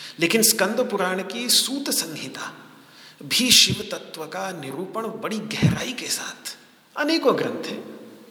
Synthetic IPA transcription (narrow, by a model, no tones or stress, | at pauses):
leːkɪnskɐ̃nd̪ʱəpʊɾaːɽ̃kisuːt̪sɐ̃ŋɡʱiːt̪aː | bʱiʃɪʋt̪ɐt̪ʋəkanɪɾuːpəɳ̃bɐɽiɡɛɦɾa̰ːikesaːt̪ʰ | ɐneːkoɐɡɾə̃nt̪ʰɦɛ̰ː